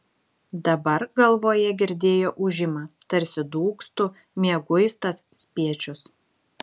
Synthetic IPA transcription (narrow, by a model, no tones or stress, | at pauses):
d̪ɐbɐɾɡɐlˠʋoːjɛɡʲɪɾʲd̪ʲeːjoːʔʊʒʲɪmɑːt̪ɐɾʲsʲɪd̪uːkst̪ʊ | mʲiɛɡʊɪst̪ɐssʲpʲiɛt͡ʃʲʊs